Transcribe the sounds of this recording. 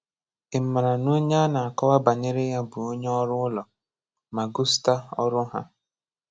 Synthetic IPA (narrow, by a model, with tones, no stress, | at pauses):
ɪ˨m̩˦˨ma˨ɾa˨no˦ɲa˦a˦na˨a˨kɔ˦wa˦ba˨ɲe˦ɾe˦ja˦bʊ˨o˦ɲe˦ɔ˦ɾʊ˦ʊ˦lɔ˨ | ma˨ɡu˦sta˦ɔ̰˦ɾʊ˦ɦa̰˦